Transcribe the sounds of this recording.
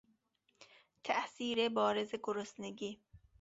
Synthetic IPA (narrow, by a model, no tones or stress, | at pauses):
t̪ʰæʔsiːɾebɒːɾezeɡoɾosneɡiː